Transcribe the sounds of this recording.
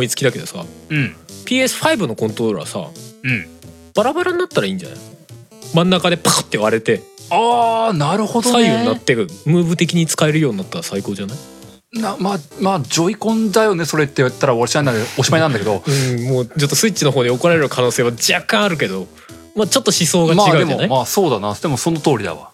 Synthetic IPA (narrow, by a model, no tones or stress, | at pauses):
mo̞it͡sɨ̥kʲid̪ake̞d̪o̞sa̰ɯ̟̃pʲiːe̞sɨ̥ɸaibɯ̟no̞kõ̞nt̪oɾo̞ɾa̰sa̰ɯ̃ɴ | b̥aɾabaɾaɲ̟inat̪ːaɾaĩːɲ̟d͡ʑa̰na̰j | mãnːakad̪e̞paːt̪ːe̞βaɾe̞t̪e̞aːnaɾɯ̟hod̪oaiːoɲinat̪ːeɯmɯ̟ːbɯ̟t̪e̞kʲiɲ̟it͡sɨ̥kae̞ɾɯjo̞ːɲ̟inat̪ːaɾasaiko̞ːd͡ʑanai | namaːmaːd͡ʑo̞ikõ̞nd̪ajo̞ne̞so̞ɾe̞t̪ːeiβat̪ːaɾaoaɾt͡ɕiãnaoɕimaɲinand̪akeo̞ɯ̃moːt͡ɕo̞t̪ːo̞sɨitːt͡ɕːino̞ɦo̞ːɲ̟iokoɾaɾe̞ɾɯ̟kʰano̞ːse̞ːβad͡ʑakːãɰ̃aɾɯ̟k̬e̞d̪o̞ | mat͡ɕo̞t̪ːoɕiso̞ːɡamaidɡae̞maonaimaːso̞ːd̪anad̪e̞mo̞so̞not̪o̞ːɾʲid̪a̰βa̰